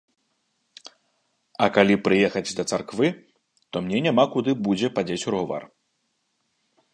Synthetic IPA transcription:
ɐkalʲipɾɨjɛxɐd͡zʲd̪ɐt̪sarkvɨ | t̪ɔmnʲɛnʲamakud̪ɨbud͡zʲɛpad͡zʲet͡sʲuɾɣuva̰r

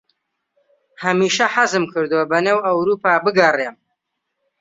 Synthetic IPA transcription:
hɐmiːʃɐħazɨmkʰɨɾd̪ɨwɐbɐneːwɐwɾuːpaːbɨɡɐrem

